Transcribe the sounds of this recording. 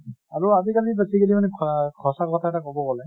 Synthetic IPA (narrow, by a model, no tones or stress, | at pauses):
aɹuazikalibasikelimanɛkʰɔsakɔtʰaɛtakɔbɔkɔlɛ